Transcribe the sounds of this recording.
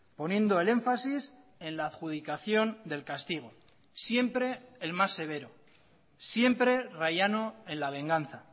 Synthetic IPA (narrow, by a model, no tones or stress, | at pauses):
po̞njẽ̞nd̪o̞e̞le̞ɱfasis | e̞nlaːðxuð̞ikaθjo̞nd̪e̞lkast̪iɣ̞o̞ | sje̞mpɾe̞ːlmasːe̞β̞e̞ɾo | sje̞mpɾe̞rajano̞e̞nlaβ̞e̞ŋɡanθa